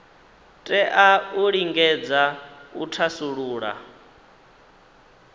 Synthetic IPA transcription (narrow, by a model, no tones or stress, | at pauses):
tʼɛʔauɺiŋɡɛd͡zautʰasuɺuːɺa̰